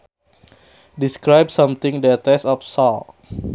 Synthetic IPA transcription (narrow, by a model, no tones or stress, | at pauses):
diskɹajb̚sʌ̃mt̪ɪ̃ŋdət̪ɛsɔfsɔl